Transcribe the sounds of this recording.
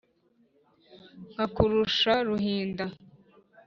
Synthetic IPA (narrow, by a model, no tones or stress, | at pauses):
ŋ̥akuɾuʃaɾuɦiːnda